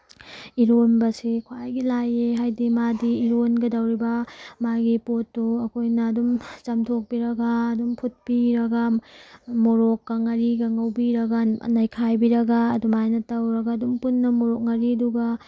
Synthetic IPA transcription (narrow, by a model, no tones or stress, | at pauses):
iɾonbɐsikʰwajɡilajeɦajdimadiːɾonɡɐdɐwɾibɐmaɡipotːuɐkʰojnɐːdumt͡ʃɐmtʰok̚piɾɐɡaːdumpʰut̚piɾɐɡa | moɾokːɐŋɐɾiɡɐŋɐwbiɾɐɡɐ̰najkʰajbiɾɐɡaːdumajnɐtɐwɾɐɡɐːdumpunːɐmoɾok̚ŋɐɾiduɡɐ